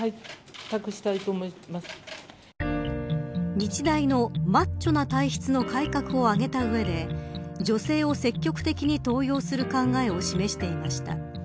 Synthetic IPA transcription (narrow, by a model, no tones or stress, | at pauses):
ai | t̪ːakɯ̟ɕi̥t̪ait̪oːmoimasɨ̥ | ɲit͡ɕid̪aino̞mat͡ɕt͡ɕːo̞nat̪aiçi̥t͡sɨno̞kaikakɯ̟o̞aɡe̞t̪aɯ̟e̞d̪e̞d͡ʑo̞se̞ːo̞se̞kʲːo̞kɯ̟̥t̪e̞kʲiɲ̟it̪o̞ːjo̞ːsɨɾɯ̟kãŋɡae̞o̞ɕime̞ɕi̥t̪e̞imaɕi̥t̪a̰